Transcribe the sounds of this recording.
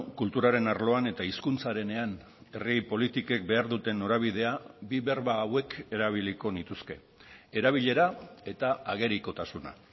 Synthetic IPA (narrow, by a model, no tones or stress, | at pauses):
kult̪uɾaɾe̞naɾlo̞ane̞t̪aiskunt͡saɾe̞ne̞an | e̞ripo̞lit̪ike̞k̚be̞aɾðut̪e̞nːo̞ɾaβ̞ið̞e̞abiβe̞ɾβaːwe̞kʰe̞ɾaβ̞iliko̞nit̪uske̞̰ | eɾaβ̞iʎe̞ɾae̞t̪aaɣ̞e̞ɾiko̞t̪asuna̰